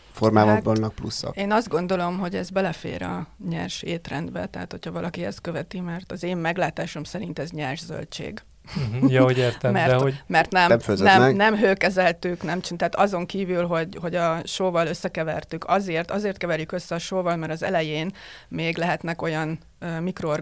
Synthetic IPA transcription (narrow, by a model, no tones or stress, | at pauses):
formaːvɔvɒnːɒk̚plṵsːɒ̰eːnɒzd̪ɡo̞nd̪o̞lo̞mɦo̞ɟɛzbɛlɛfḛːɾɒ̰ɲɛ̰rʃeːt̪rɛnd̪bɛ̰t̪ɛɦaːt̪ho̞cʰhɒvɒlʔɒkiɛst̪̚køvɛt̪imɛrt̪ɒzeːmːɛɡlaːt̪aːʃo̞msɛɾin̪t̪ɛzɲɛrʒzø̰lt͡ʃḛːɡ | jɒhoɟeːrɛmɛrɦomɛrt̪nɛmmfønɛmnɛmɦøːkɛzɛlt̪yknɛmt͡ʃint̪ɛːt̪ɒzo̞ŋkiːvylɦo̞ɟho̞ɟɒʃoːvɒløsːɛkɛvɛrt̪ykʰɒzeːrt̪ɒzeːrt̪kɛvɛɾjykø̞sːɛɒʃoːvɒlmɛɾɒzɛ̰lɛjeːnmeːɡlɛɦɛt̪nɛko̞jɒn | ømikroor